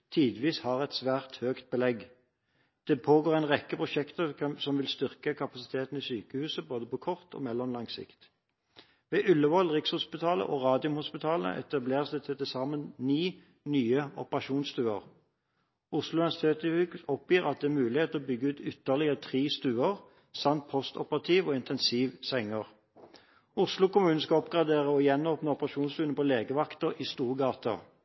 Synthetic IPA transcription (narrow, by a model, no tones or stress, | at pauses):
t̪ʰiːd̪ʋiːshɑʁɛt̪sʋæːʁt̪høːkt̪̚bəlɛɡ | d̪̥ɛpʰoːɡoːʁæɪnʁɛkːəpʰʁʊʃɛkt̪əsɔmʋɪlst̪ʏʁkəkʰɑpɑsɪ̥t̪ʰeːt̪n̩isyːkəhʉːsəboːd̪əpɔkʰɔʁt̪ʰɔ̰ːmɛlːɔmlɑŋsɪ̰kt̪ | ʋɛːʔʉlːəʋɔlʁɪkshʊspɪt̪ʰɑːlə̰ʔɔʁɑːd̪ɪʊmhʊspɪt̪ʰɑːlə̰ʔɛ̰t̪ɑbleːʁsd̪ɛt̪ʰɛt̪ɪsɑːmənniː | nyːəɔpəʁɑʃuːnst̪ʉːəʁ | ʊslʊɪnæsɪt̪ʰeːt̪ʉkɔpjiːʁɑt̪̚d̪ɛːmʉːlɪheːt̪əɔbʏɡːəʉːt̪ʏt̪ːəʁlɪət̪ʰʁiːst̪ʉːəʁ | sɑmt̪̚pʰɔst̪ɔpəʁɑt̪ʰiːʋɔːɪnt̪ʰɛnsiːʋsɛŋːəʁ | ʊslʊkʊmʉːnn̩skɑɔpɡʁɑd̪eːʁəɔjɛnːoːpnəɔpəʁɑʃuːnstd̪ʉːnəpʰɔleːɡəʋɑkt̪əʁiːst̪uːʁɡɑːt̪ʰɑ